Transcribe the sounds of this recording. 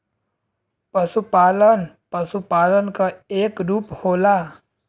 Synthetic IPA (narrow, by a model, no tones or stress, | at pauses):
pəsupaːlən | pəsupaːlənkaeːkɾuːphola